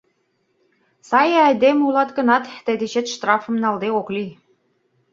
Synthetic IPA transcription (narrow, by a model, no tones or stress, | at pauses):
sɑjæjd̪emulɑt̪kɤ̆nɑt̪ːə̆d̪ĕɕĕt̪ʃt̪rɑfɤ̆mnɑld̪eokli